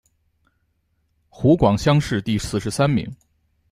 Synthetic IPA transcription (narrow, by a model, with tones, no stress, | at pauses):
xu˧˥kwɑ˨˩ŋɕjɑ˥ŋʂɻ̩˥˧t̪i˥˧sɹ̩˥˩ʂɻ̩˧˥sa˥nmḭ˧˥ŋ